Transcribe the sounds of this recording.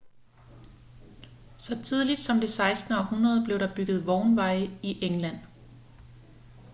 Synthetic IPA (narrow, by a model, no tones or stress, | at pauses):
sɒ̽t͡sʰiðˠlid̥sɒ̽md̥e̝sɑ̈ɪsd̥nəɒ̽hunʁɐð̞ˠb̥le̝ʊɾ̥ɑ̈b̥yɡ̥ð̞̩ˠʋɒʊnʋɑ̈ɪəiʔeŋlæn̰